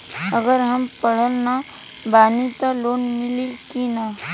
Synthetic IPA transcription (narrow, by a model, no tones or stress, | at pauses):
əɡəɾɦəmpəɽ̤əlna | baːnit̪aloːnmɪlikina